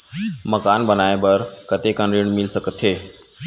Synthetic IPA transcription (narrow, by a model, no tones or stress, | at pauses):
məkaːnbənaːebəɾ | kət̪ekə̃nɾiːɳ̃mɪlsəkət̪ʰɦeː